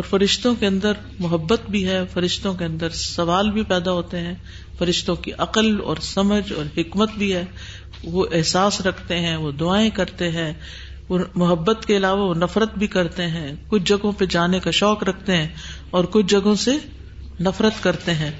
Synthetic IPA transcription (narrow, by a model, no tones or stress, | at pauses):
ɔːɾfɐɾɪʃt̪õkeɐ̃nd̪əɾ | mʊɦəbːət̪bʱiɦɛːfɐɾɪʃt̪õkeɐ̃nd̪əɾsɐʋaːlbʱipɛːd̪aɦoːt̪eɦɛ̃ː | fɐɾɪʃt̪õkiʔɐqəlɔ̰ːɾsɐməd͡ʒɔ̰ːɾhɪkmət̪bʱiɦɛː | ʋoʔɪɦsaːsɾɐkʰt̪eɦɛ̃ʋod̪ʊaːẽkɐɾt̪eɦɛ̃ː | ʋomʊɦəbːət̪keɪlaːʋaʋonɐfɾət̪bʱikɐɾt̪eɦɛ̃ːkʊt͡ʃʰd͡ʒɐɡõped͡ʒaːnekaʃɔːkɾɐkʰt̪eɦɛ̃ː | ɔːɾkʊt͡ʃʰd͡ʒɐɡõse | nɐfɾət̪kɐɾt̪eɦɛ̃ː